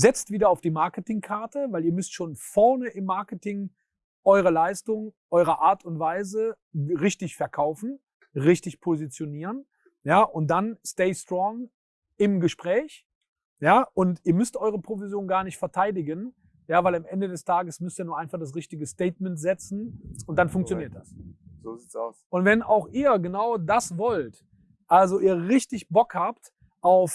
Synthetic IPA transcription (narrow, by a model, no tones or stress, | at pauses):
zɛt͡stv̥iːdɐaʊfd̥iːmaɐkətɪŋkʰaɐtəvaɪliːɐmʏstʃoːnfɔɐnəʔɪmːaɐkətɪŋ | ʔɔʏʁ̞əlaɪstʊŋʔɔʏʁəʔaːɐtʰʊntv̥aɪzə | ʁɪçtɪçfɛɐkʰaʊfn̩ | ʁɪçtɪçpʰozit͡sjoniːʁən | jaːʔʊnt̚d̥ansteɪstʁ̥ɔŋ | ɪmɡəʃpʁ̥ɛːç | jaːʔʊntiːɐmʏstʔɔʏʁ̞əpʁ̥ovizjoːnɡaːɐnɪçtfɛɐtʰaɪdɪɡən | jaːvaɪlamʔɛndədɛstʰaːɡəsmʏstiːnuːɐʔaɪnfaχd̥as̬ʁɪçtɪɡəstɛɪtmɛntz̥ɛt͡sn̩ʊntd̥anfʊŋkt͡sjoniːɐt̚d̥asz̥oziːtsaʊsʔʊntv̥ɛnaʊxʔiːɐɡənaʊdasvɔlt | ʔalzoʔiːɐʁɪçtɪçbɔkhaːpt | ʔaʊf